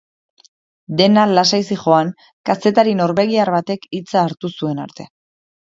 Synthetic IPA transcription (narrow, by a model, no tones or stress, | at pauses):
d̪e̞nalasajsiχo̞aŋ | kase̞t̪aɾino̞ɾβe̞ɣ̞iaɾβat̪e̞kit͡saːɾt̪usue̞na̰ɾt̪e̞